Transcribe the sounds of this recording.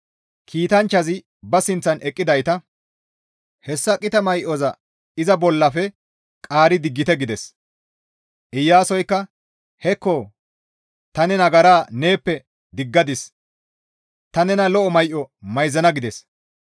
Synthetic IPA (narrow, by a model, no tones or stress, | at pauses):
kʰiːt̪ɐnt͡ʃːɐzɪ | bɐsɪnt͡sːɐnʔɛkʼːɪd̪ɐjt̪ɐ | hɛsːɐkʼɪt̪ɐmɐjʔɔzɐ | ɪzɐbɔlːɐfɛ | kʼaːɾɪd̪ɪɡːɪt̪ɛɡɪd̪ɛs | ʔɪjːaːsɔjkːɐ | hɛkːɔ | t̪ɐnɛnɐɡɐɾaːne̞ːpːɛ | d̪ɪɡːɐd̪ɪs | t̪ɐnɛnɐlɔʔɔmɐjʔɔmɐjzɐnɐɡɪd̪ɛs